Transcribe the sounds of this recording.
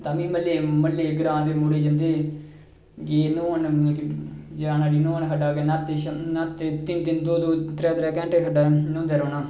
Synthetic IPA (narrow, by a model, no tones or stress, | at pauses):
t̪aːmĩːməlːeːməlːeːɡəɾãːnd̪eːmʊɽeːd͡ʒənd̪eː | ɡeːnoːənkd͡ʒaːnaːɖiːnõːənɦəɖaːɡeːnat̪ːenat̪ːet̪ɪnd̪ɪnd̪oːd̪oːt̪ɾɛːt̪ɾɛːkɛ̃ːɳʈeːɦəɖaːnõːnd̪eːɾoːnaː